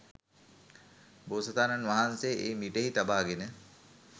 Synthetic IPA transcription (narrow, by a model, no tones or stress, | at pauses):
boːsət̪aːnanʋaɦansejʔeːmiʈeɦit̪abaːɡenə